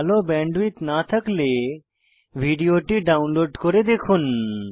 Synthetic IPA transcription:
lobɛ̃ːɳɖʋit̪nat̪ʰəkle | ʋʱiːɖijoʈiɖaːʊnloːɖkoɾed̪ekʰun

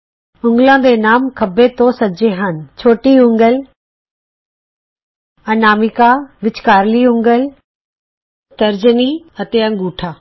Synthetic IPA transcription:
ʊ̃ŋɡlãːd̪eːnaːmkʰəbeːt̪õːsəd͡ʒeːɦənt͡ʃʰoːʈiːʊ̃ŋɡəl | ənaːmɪkaːʋɪt͡ʃkaːɾliːʊ̃ŋɡəl | t̪əɾd͡ʒəniː | ət̪eːə̃ŋɡuːʈʰaː

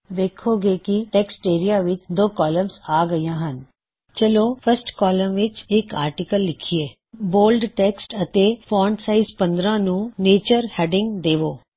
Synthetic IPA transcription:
ʋeːkʰoːɡeːkiʈɛksʈeːɾijaːʋɪt͡ʃd̪oːkɔːləmzaːɡəijãːɦən | t͡ʃəloːpʰəsʈkɔːləmʋɪt͡ʃɪkaːɾʈɪkəlːɪkʰieː | boːlɖʈɛksʈət̪eːpʰɔːɳɖsaːizpə̃nd̪ɾãːnũːneːt͡ʃəɾhɛːɖɪ̃ŋɡd̪eːʋoː

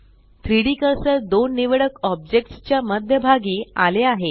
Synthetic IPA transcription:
t̪ɾiɽikəsəɾd̪onːiʋeɽəkɔb̚d͡ʑek̚ʈst͡ɕjaməd̪ʱjəbʱaɡiːaleaɦe

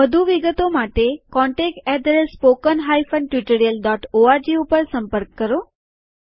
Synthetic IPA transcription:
əd̪ʱuʋiɡət̪omaʈekɔ̃ɳʈek̚ʈɛɖɾespokənɦaifənʈjiʈəɾijəlɖɔʈoaɾd͡ʒiupəɾsəmpəɾkːəɾo

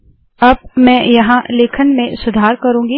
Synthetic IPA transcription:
ɐb̚mɛ̃ːjɐɦãleːkʰənmẽsʊd̪ʱaːɾkɐɾũːŋɡi

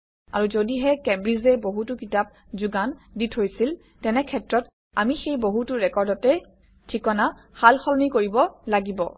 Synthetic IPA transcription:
a̰ɹuzodiɦɛkɛbɹizɛboɦutʊkitap̚ | zuɡanditʰojsil | tɛnɛkʰɛtɹɔt | a̰mixejboɦutʊɹɛkɔɹdɔtɛ | tʰikɔnahalxɔlnikoɹibɔlaɡibɔ̰

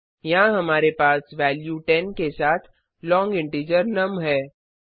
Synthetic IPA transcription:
jɐɦãɦɐmaːɾepaːsʋɛːljuʈɛnkesaːt̪ʰ | lɔ̃ːŋɡɪ̃ɳʈeːd͡ʒəɾnɐmɦɛː

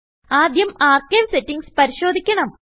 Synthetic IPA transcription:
aːd̪jɐmaːrkeːʋsetːiŋɡspɐɾiɕo̞ːd̪ʱikʲːɐɳɐm

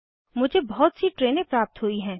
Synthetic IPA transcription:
mʊd͡ʒʱebɔɦɔt̪siʈɾeːnẽpɾaːp̚t̪ɦuiɦɛ̃ː

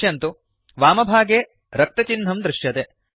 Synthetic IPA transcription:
jɐnt̪u | ʋaːmɐbʱaːɡeː | ɾɐk̚t̪ɐt͡ʃinɦɐmd̪ɾɪʂjɐt̪eː

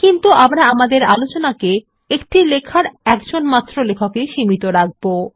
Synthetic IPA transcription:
kint̪uamɾaamad̪eɾalot͡ɕonake | ekʈilekʰaɾɛkd͡ʑonmat̪ːɾolekʰakeʃimit̪oɾaɡ̚bo

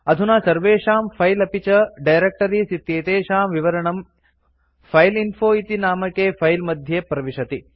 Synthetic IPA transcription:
ɐd̪ʱunaːsɐɾʋeːʂaːmpʰɐjlɐpit͡ʃɐɖɐjɾek̚ʈɐɾisit̪jeːt̪eːʃaːmʋiʋɐɾɐɳɐm | pʰɐjlinfʰoːit̪inaːmɐkeːpʰɐjlmɐd̪ʱjepɾɐʋiʃɐt̪i

